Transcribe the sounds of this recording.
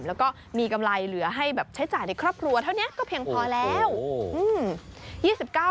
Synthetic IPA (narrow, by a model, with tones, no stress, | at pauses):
mlɛː˦˥wkɔː˥˩ | miː˧ka˧mla˧jlɯ˩˦ɐɦa˥˩jbɛː˨˩p̚t͡ɕʰa˦˥jt͡ɕaː˨˩jna˧jkʰɾɔː˥˩p̚kʰɾu˧ɐt̪ʰa˥˩wni˦˥ɐkɔː˥˩pʰi˧əŋpʰɔː˧lɛː˦˥wʔɯː˧mjiː˥˩si˨˩p̚kaː˥˩